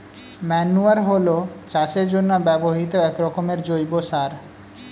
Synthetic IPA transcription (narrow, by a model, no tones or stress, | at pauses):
mɛnːuaɾɦolot͡ɕat͡ɕeɾd͡ʑonːobɛboɦit̪oɛkɾɔkomeɾd͡ʑojbosaɾ